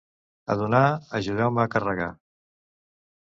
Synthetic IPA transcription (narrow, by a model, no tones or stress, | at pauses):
ə̰ðunaəʒuð̞ɛwməːkərəɣa̰